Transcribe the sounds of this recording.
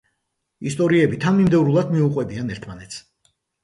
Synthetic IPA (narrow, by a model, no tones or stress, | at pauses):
ist̪ʼɔɾiɛbit̪ʰanmimd̪ɛvɾulˠad̪miuqʼwɛbianɛɾt̪ʰmanɛt̪sʰ